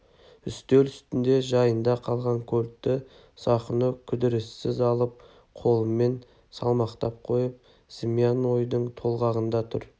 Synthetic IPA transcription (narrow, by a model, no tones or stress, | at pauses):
ʏst̪elʏst̪ɪnd̪e̞ʒɑjənd̪ɑqʰɑlˠʁɑŋkʲʰɵlt̪ːɪ | sɑχənəkʲʰʏd̪ɪɾɪsːɪzɑlˠəp̚ | qʰo̞lˠəmːe̞n | sɑ̰lˠmɑqt̪ɑp̚qʰo̞jəp̚ | z̥ɪmijanwo̞jd̪əɴt̪ʰo̞lˠʁɑʁənd̪ɑt̪ʰʊ̰ɾ